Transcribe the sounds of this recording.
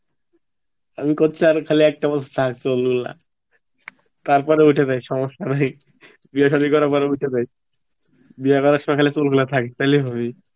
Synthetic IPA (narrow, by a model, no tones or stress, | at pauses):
amikot͡ɕʰaɾkʰaliɛk̚ʈabat̪ʰat̪ʰaksolɡula̰ | t̪aɾpɔɾeuʈʰed̪ajʃɔmoʃːanaj | biaʃad̪ikɔɾaɾpɔɾeuʈʰed̪aj | biakɔɾaʃmakʰalesolkulat̪ʰaket̪ajlebʱaβi